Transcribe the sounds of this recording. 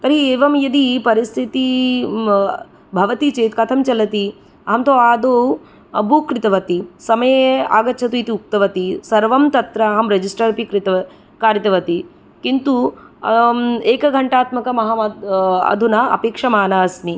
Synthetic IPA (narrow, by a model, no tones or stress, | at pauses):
t̪ɐɾieːʋɐmjɐd̪ipɐɾist̪ʰit̪i | bʱɐʋɐt̪it͡ʃeːt̪kɐt̪ʰɐmt͡ʃɐlɐt̪i | ɐɦɐmt̪oːaːd̪oː | ɐbʱukɾɪt̪ɐʋɐt̪isɐmɐjea̰ːɡɐt͡ʃʰɐt̪ujt̪iuk̚t̪ɐʋɐt̪isɐɾʋɐmt̪ɐt̪ɾɐːɦɐmɾed͡ʒisʈɐɾɐpikɾit̪ɐɐ | kaːɾit̪ɐʋɐt̪i | kint̪u | eːkɐɡʱɐɳʈaːt̪mɐkɐmɐɦɐmɐɐ̰d̪ʱunaɐ̰peːkʂɐmaːnaːɐsni